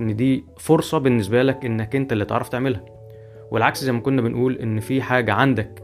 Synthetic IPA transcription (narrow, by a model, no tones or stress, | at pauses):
nːd̪iː | foɾsˤɑbenːesbælækʔenːækʔent̪ælːiːt̪eʕɾˤɑft̪eʕmelhæ | welʕakszæjmækonːæbenʔuːlʔenːfiːħaːɡæʕand̪æk